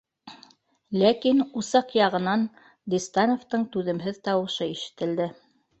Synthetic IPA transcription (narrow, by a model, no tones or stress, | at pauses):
lækinusɑqjɑʁɤ̆nɑn | d̪ist̪ɑnoft̪ɤɴt̪ʉðɘ̆mɦɘðt̪ɑwɤ̆ʃɤiʃɘ̥̆t̪ɘ̆ld̪ɘ